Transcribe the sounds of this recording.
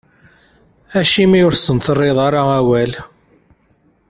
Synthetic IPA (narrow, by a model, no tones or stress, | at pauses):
æʃimiʊɾsənθərˤːeðˤɑɾˤaæwæl